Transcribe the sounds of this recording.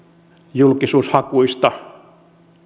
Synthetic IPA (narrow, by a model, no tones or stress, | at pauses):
julkisuːshɑkuist̪ɑ